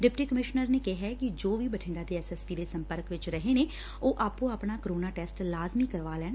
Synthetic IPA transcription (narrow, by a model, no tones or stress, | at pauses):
ɖɪpʈiːkəmɪʃnəɾneːkɪɦɛkɪd͡ʒoːʋiːbəʈʰɪ̃ɳɖaːd̪eːɛsɛspiːd̪eːsəmpəɾkʋɪt͡ʃɾəɦeːneː | oːʔaːpũːapɳaːkəɾoːnaːʈɛːsʈlaːzmiːkəɾʋaːlɛːn